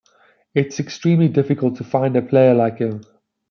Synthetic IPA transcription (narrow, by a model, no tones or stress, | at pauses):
ɪtsɛkstɹ̥ĩːmlidɪfɪkʰəlˠtʰəfãɪ̃ndəpʰl̥eɪəlaɪkhɪ̃m